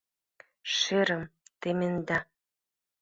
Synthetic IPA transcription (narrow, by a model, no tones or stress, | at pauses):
ʃeɾə̆mt̪emĕnd̪a